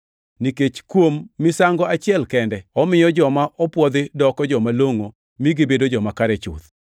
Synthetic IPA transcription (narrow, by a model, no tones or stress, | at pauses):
niket͡ʃkwomːɪsaŋɡɔat͡ʃɪɛlkɛndɛɔmɪjɔd͡ʒɔmaʔɔpwɔd̪ɪdɔkɔd͡ʒɔmaloŋo | miɡibedod͡ʒɔmakaɾɛt͡ʃʊ̰t̪